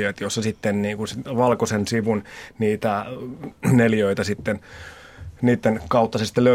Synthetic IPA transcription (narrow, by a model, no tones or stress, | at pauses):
eːt̪josːɑsit̪ːenniːŋkunsʋɑlkosensiʋunniːt̪æ | neljøit̪æsit̪ːen | niːt̪ːenkɑut̪ːɑsest̪ilø